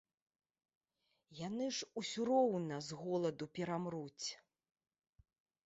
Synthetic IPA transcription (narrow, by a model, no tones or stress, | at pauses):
janɨʐusʲuɾɔwnɐzɣɔlˠɐd̪upʲɛɾamɾut͡sʲ